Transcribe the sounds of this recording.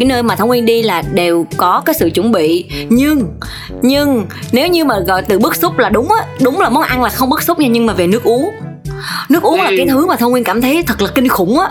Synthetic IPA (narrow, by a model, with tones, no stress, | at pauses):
kaː˨˦jnəː˧jmaː˨˩t̪ʰə˧wŋwi˧ənɗi˧laː˨˩ɗe˨˩wkɔ˨˦kaː˨˦jsɨ̰˧˨t͡ɕɨ̰˧˩nɓḭ˧˨ɲɨ˧ŋ | ɲɨ˧ŋne˨˦wɲɨ˧maː˨˩ɣɔ̰˧˨jt̪ɨ˨˩ɓɨ˦˥k̚sʊ˦˥k͡p̚laː˨˩ɗʊ˨˦ŋ͡mʔaː˨˦ɗʊ˨˦wŋ͡mlaː˨˩mɔ˨˦nʔa˧ŋlaː˨˩xə˧ŋ͡mɓɨ˦˥k̚sʊ˦˥k͡p̚ɲaː˧ɲɨ˧ŋmaː˨˩ve˨˩nɨ˦˥ək̚ʔu˨˦əŋ | nɨ˦˥ək̚u˨˦əŋlaː˨˩kaː˨˦jt̪ʰɨ˨˦maː˨˩t̪ʰə˧wŋ͡mŋwi˧nkaː˧˩mt̪ʰə˨˦jt̪ʰə˨˩k̚lə˨˩ki˧ŋ̟xʊ˧˩ŋ͡mʔaː˨˦